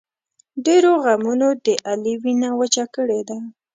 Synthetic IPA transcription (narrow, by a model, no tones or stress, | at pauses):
ɖeɾoɣamunod̪əʔaliwinawat͡ʃakəɽed̪a